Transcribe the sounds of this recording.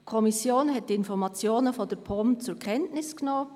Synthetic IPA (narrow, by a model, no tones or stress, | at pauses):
kʰɔmisjoːnɦɛt̚d̥iɪnfɔɾmɑt͡sjoːnəfodəɾpʰɔmt͡sʊɾkʰɛntnɪsknoː